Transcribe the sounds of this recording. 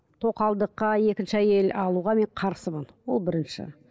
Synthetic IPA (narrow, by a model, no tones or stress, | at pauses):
t̪ʰo̞qɑlˠd̪əqːɑe̞kʲɪnʃɪæje̞lɑlˠuʁɑme̞ɴqʰɑɾsəmənwo̞lˠbɪɾɪnʃɪ̰